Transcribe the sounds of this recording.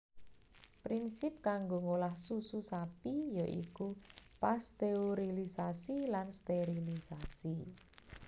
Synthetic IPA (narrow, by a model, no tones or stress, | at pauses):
pɾinsɪp̚kaŋɡoŋolahsususapijoʔḭkupast̪eoɾilisasilanst̪eɾilisasi